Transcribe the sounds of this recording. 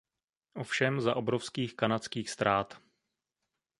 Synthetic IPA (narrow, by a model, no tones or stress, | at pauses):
ʔofʃɛmzaʔobɾofskiːxkanat͡skiːxst̪ɾaːt̪